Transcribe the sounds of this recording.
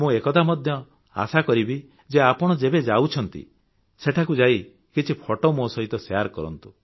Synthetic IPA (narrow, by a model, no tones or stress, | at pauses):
mũekɔt̪amɔd̪ʱjɔ | a̰sakɔɾibi | d͡ʒeapɔɽ̃ɔd͡ʒebed͡ʒawt͡ʃʰɔnt̪ḭ | seʈʰakud͡ʒai | kit͡ʃʰipʰɔʈɔmosɔɦit̪ɔseaɾkɔɾɔ̰nt̪u